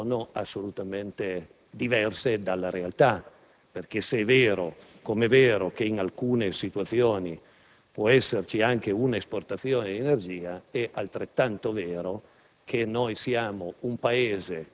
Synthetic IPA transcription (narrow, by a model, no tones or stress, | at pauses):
noasːolut̪ament̪e | d̪ivɛrsed̪alːaɾealt̪a | perk̟eseɛveːɾo | komeveːɾok̟eiŋalkuːnesit̪uat̪sjoːni | pwɔɛsːert͡ʃiaŋkeunaesport̪at̪sjoːned̪enerd͡ʒiːaɛʔalt̪ɾet̪ːant̪oveːɾo | kʰenojsiaːmoumpaeːze